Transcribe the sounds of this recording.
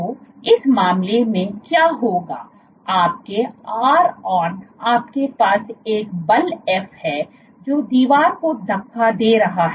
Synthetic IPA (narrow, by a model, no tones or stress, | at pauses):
oɪsmaːmlemẽkjaːɦoːɡa̰ː | aːp̚keaːɾɔːɾaːpkepaːseːkbɐlɛːfhɛː | d͡ʒoːd̪iːʋaːɾkod̪ɐkʰːad̪eːɾɐɦaɦɛː